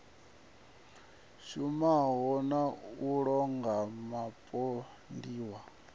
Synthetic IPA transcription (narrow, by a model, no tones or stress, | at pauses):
ʃumaɦɔnauɺɔŋɡamapʼɔ | ndiːwa